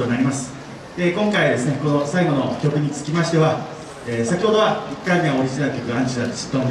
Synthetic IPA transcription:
onaɾʲimasɨ̥ | d̪̥e̞kõ̞ŋkaiad̪e̞sɨne̞ko̞no̞saiɡo̞no̞kʲo̞kɯ̟ɲ̟it͡sɨ̥kʲimaɕi̥t̪e̞βa | eːsakʲiho̞d̪o̞βaikːak̪ẽŋ̃ao̞ɾʲiʑinaɾɯ̟kʲokɯãɲt͡ɕiat̪osi̥t̪ːo

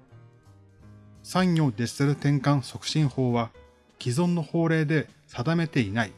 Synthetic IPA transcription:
sãɲːʲo̞ːd̪e̞seɾɯ̟t̪ẽ̞ŋkãɰ̃so̞kɯ̟̥ɕĩɰ̃ho̞ːβa | kʲizõ̞nːo̞ho̞ːɾe̞ːd̪e̞ | sad̪ame̞t̪e̞inai

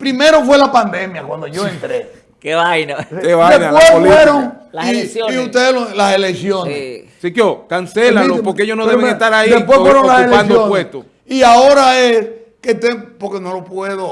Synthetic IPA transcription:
pɾimeɾof̬welapand̪e̞mjakwand̪oʝoent̪ɾe | keβajnokeβad̪enpwefweɾoŋlaisjoiut̪eðelolaseleksjone | sikjokanselaopoɾkeeʝosnoðeβeŋet̪aɾaid̪epwesfweɾoŋlaseleansd̪oonwest̪o | iaoɾaes | ket̪eŋpoɾkeno̞lopweðo

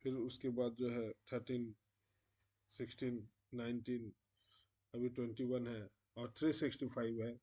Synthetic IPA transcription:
pʰɪɾʊskebaːd̪̚d͡ʒoɦɛt̪ʰəɾʈiːn | sɪksʈiːnː | aɪnʈiːn | ɐbʱiʈwɛ̃ɳʈiwɐnɦɛ | ɔːɾt̪ʰɾisɪksʈipʰaɪbɦɛː

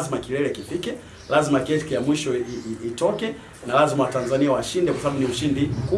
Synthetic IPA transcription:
zimakilɛɾɛkifikɛ | lazimakɛtkijamwiʃɔiiitɔkɛ | nalazimawatanzaniawaʃindɛkwasaɓaɓuniuʃindimku

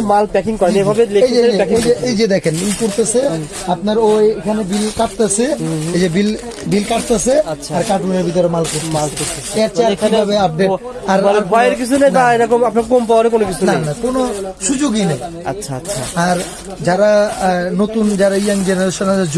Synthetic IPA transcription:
malpɛkiŋkɔeebʱabeleejd͡ʑeejd͡ʑeejd͡ʑed̪ɛkʰenijkoɾt̪esʰe | apnaɾojekʰanebilkaʈt̪asʰeed͡ʑebil | bilkaʈt̪asʰeaʃʰaaɾkaʈuneɾbit̪̬oɾemalkoɾt̪emaloɾt̪ʰeeat͡ɕaakʰibʱabeap̚neɾ | aɾaɾbʱɔjeɾkit͡ɕʰunejnaeɾɔkomapnaɾkompawaɾekonokit͡ɕʰunanakonoʃud͡ʑoɡinej | a̰tːʃʰaʃʰaaɾ | d͡ʑaɾanot̪und͡ʑaɾaijaŋd͡ʑeneɾeʃonased͡ʑ

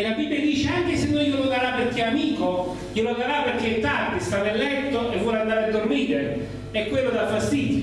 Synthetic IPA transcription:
elabibːjad̪iːt͡ʃeaŋkesenːojoloɡaɾaperk̟ːeamiːko | joloɡaɾapːerk̟et̪ːard̪ist̪anːelːɛnt̪ːoʔevːɔland̪aːɾead̪ːormiːɾe | ɛkːwelːod̪afːast̪iːd̪ji

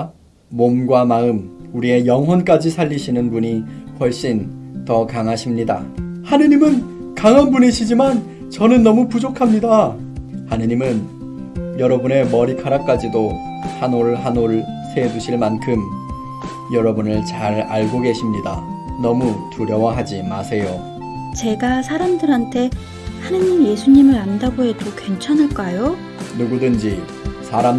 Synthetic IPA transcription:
momɡwamaɯmuɾie̞jʌŋɦwʌnk͈ad͡ʑisʰaʎːiɕʰinɯnbuɲiɸʌɭɕ͈in | tʌkaŋɦaɕʰimɲida̰hanɯɲimɯn | kaŋɦanbuneɕʰid͡ʑiman | t͡ɕʌnɯnːʌmupud͡ʑokʰamɲida | hanɯɲimɯn | jʌɾʌbune̞mʌɾikʰaɾak͈ad͡ʑido | hanoɾɭɦanoɾɯɭɭsʰe̞duɕʰiɭmankʰɯm | jʌɾʌbunɯɭt͡ɕaɾaɭɡoɡe̞ɕʰimɲida | nʌmutuɾjʌwaɦad͡ʑimasʰe̞jo | t͡ɕe̞ɡasʰaɾamdɯɾɦantʰe̞ | hanɯɲimje̞sʰuɲimɯɾandaɡoɦe̞dokwe̞nt͡ɕʰanɦɯɭk͈ajo | nuɡudɯnd͡ʑi | sʰaɾam

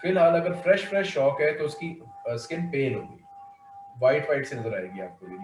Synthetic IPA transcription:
fɪlɦaːlɐɡəɾfɾɛʃfɾɛʃːɔːkɦɛt̪oʊskiskɪnpeːlɦoːɡḭː | ʋaːɪʈfaːɪʈsenɐzəɾa̰ːeːɡia̰ːp̚kobin

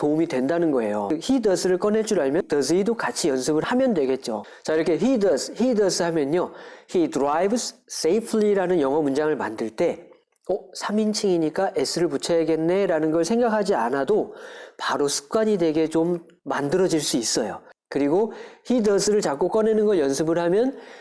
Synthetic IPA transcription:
tomidwe̞ndanɯnɡʌe̞jo̰çidʌsʰɯɾɯɭk͈ʌne̞t͡ɕ͈ʰuɾaɭmjʌdʌs̬ʰɯidokat͡ɕʰijʌnsʰɯbɯɭhamjʌndwe̞ɡe̞t̚t͡ɕ͈o | t͡ɕaiɾʌkʰe̞çidʌsʰçidʌs͈ʰɯhamjʌnɲohidɯɾajbss͈eipʰɯɭiɾanɯnjʌŋɦʌmund͡ʑaŋɯɭma̰ndɯɭt͈e̞ | ʌsʰamint͡ɕʰiŋiɲik͈aʔe̞sʰɯɾɯɭput͡ɕʰeɦeɡe̞nːe̞ɾanɯnɡʌɭsʰe̞ŋɡakʰad͡ʑianadopaɾosʰɯ̥k̚k͈waɲidwe̞ɡe̞t͡ɕomː | andɯɾʌd͡ʑiɭs͈uis͈ʌjo̰kɯɾiɡoçidʌsʰɯɾɯɭt͡ɕak͈ok͈ʌne̞nɯnɡʌɭjʌnsʰɯbɯɭhamjʌn

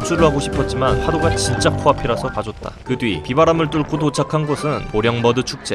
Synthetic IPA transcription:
p̚t͡ɕ͈ʰuɾɯɭhaɡoɕʰi̥pʰʌt̚t͡ɕ͈imanɸadoɡat͡ɕint͡ɕ͈apʰoapʰiɾasʰʌkad͡ʑʌt̚t͈a̰kɯdwɥipibaɾamɯɭt͈uɭk͈ʰot̬ot͡ɕʰakʰanɡosʰɯnpoɾjʌŋmʌdɯt͡ɕʰuk̚t͡ɕ͈e̞

